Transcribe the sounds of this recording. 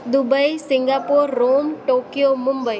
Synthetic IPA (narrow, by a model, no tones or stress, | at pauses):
d̪ʊbəisɪ̃ŋɡaːpoːɾːoːmʈoːkijomʊmbəi